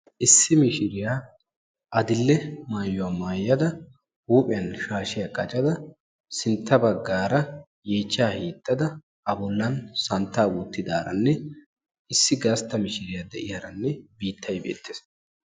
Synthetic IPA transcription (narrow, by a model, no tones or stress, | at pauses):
ʔɪsːɪmɪʃɪɾɪjaː | ʔɐd̪ɪlːɛmaːjːʊaːmaːjːɐd̪ɐ | huːpʼɪjɐnʃaːʃɪjaːkʼɐt͡ʃʼɐd̪ɐ | sɪnt̪ːɐbɐɡːaːɾɐ | jeːt͡ʃːaːhiːt̪ʼːɐd̪ɐ | ɐbɔlːɐnsɐnt̪ːaːwuːt̪ːɪd̪aːɾɐ̰nːɛ | ɪsːɪɡɐst̪ːɐmɪʃɪɾɪjad̪ɛʔɪhɐɾɐnːɛbiːt̪ʰːɐjbḛːt̪ːeːs